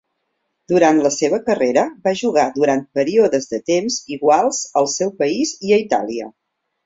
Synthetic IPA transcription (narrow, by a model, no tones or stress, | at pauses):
d̪uɾant̪ləseβəkəreɾəbaʒuɣ̞ad̪uɾant̪̚pəɾioðəzðət̪emziɣwalˠz̥əlˠsɛwpəiziəit̪a̰liə̰